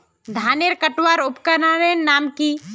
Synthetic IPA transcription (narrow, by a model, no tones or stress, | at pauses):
d̪ʱaːneɾkəʈwaːɾʊpkanaːɾeːnːaːmki